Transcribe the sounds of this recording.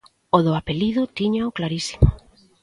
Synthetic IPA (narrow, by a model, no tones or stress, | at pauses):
oðʊapeliðʊt̪iɲaʊklaɾisi̥mʊ